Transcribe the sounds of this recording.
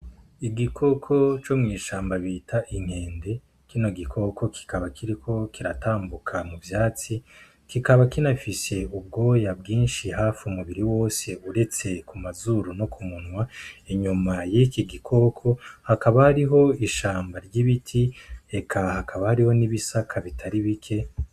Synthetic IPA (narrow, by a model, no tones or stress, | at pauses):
iɡikʰo̞kʰo̞t͡ʃomŋiːʃaːmbaβitʰaʔiŋ̥he̞ːnde̞ | kino̞ɡikʰo̞kʰo̞kʰi̥kaβakiɾikʰo̞kiɾataːmbukʰamuvjaːt͡si | kikaβakinafise̞ub̚ɡo̞ːjabɡiːnʃihaːfumuβiɾiwo̞ːse̞uɾe̞t͡se̞kumazuɾuno̞kʰumunwaeɲumajikiɡikʰo̞kʰo̞hakaβahaɾiɦo̞iʃaːmbaɾɟiβitʰie̞kʰahakʰaβahaɾiho̞niβisakʰaβitʰaɾiβikʰe̞